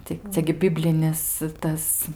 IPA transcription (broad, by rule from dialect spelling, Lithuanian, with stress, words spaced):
tɐɪ ˈt͡sʲɛ ɡʲɪ ˈbʲɪbʲlʲɪnʲɪs ˈtɐs